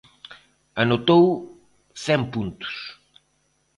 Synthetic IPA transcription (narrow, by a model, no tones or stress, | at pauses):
ɐnot̪ow | sɛ̃mpũnt̪u̥s